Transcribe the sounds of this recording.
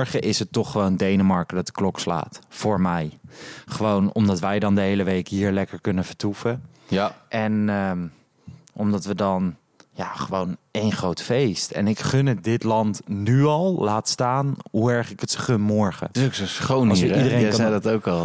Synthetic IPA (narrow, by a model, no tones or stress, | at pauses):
ɹχəʔɪsətɔχːəʋowndejnəmɑɹkədɑt̚dəklɔksla̰ːtfʊːɹmɛjχəʋownɔ̰mdɑtʋɛjdɑndəɦejləʋejkɦiːɹlɛkəɹkɵnəv̥əɹtufə | ʔɛnə | ʔɔmdɑtʋədɑn | jaχəʋownejnχrowtfejstɛ̰nɪkχɵnədɪtlɑntnyɑlˠlaːtstaːnɦuɛɹχɪkətsəχɵnmɔɹχə̰ɪsoksosχownˠsidəɾekjdɔtowkɑlˠ